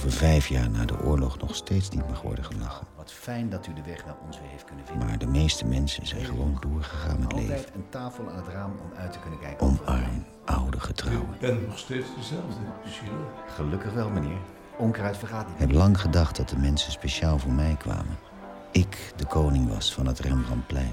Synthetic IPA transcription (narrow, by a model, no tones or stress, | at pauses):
vəɹvɛjfjaːɹna̰ːdə̰ʔʊːɹlɔχnɔχstejtsnitmɑχʋɔ̰ɹdəχəlɑχənʋɑtfɛjndɑtydəʋɛχʋɛlˠɔnzʋɪɦeft̚kɵnəvɪmaːɹdəmejstəmɛnsənzɛjnχəʋowndʊːɹχəχa̰ːnɛtlḛjjtəntaːfəlˠa̰ːnɦətraːmɔ̰mœɥtə̥kɵnəkɛjkɔmɑɹm | ʔɑwdəχətrɑwwənbɛnnɔχstejtsdəzɛlˠvdə | χəlɵkəχʋɛlˠmənɪːɹ | ɔŋkəraɥtfəɹχaːtiɪkɦɛplɑŋχədɑχt̚dɑt̚dəmɛnsənspeʃaːlˠvʊːɹmɛjkʋa̰ːmən | ɪkdəkownɪŋʋɑ̰sfɑnɦətrɛmrɑnplɛjn